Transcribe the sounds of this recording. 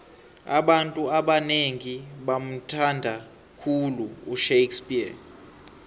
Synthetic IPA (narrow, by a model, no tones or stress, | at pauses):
a̰ɓantʼuaɓaneŋiɓam̩tʰandʱa | kʰuluuʃejkspʼia